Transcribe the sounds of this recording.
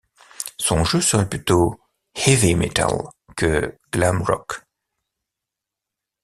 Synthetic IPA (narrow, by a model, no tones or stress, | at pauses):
sɔ̃ʒøsəʁɛplyt̪o | hɛvimet̪a̰l | kəɡ̥lamʁɔ̰k